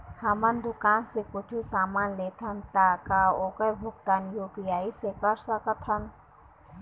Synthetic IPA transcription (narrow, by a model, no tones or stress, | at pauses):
hɐmɐnd̪ʊkaːnsekʊʈʰusaːmaːnleːt̪ʰɐnt̪aːkaoːkɐɾbʱʊk̚t̪aːnjoːpijaːisekɐɾʃɾɐkɐt̪ʰɐn